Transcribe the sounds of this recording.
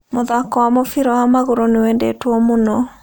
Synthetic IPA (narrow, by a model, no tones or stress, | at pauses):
moðakɔwamofiɾɔhamaɣuɾoniwɛndḛtwɔmonɔ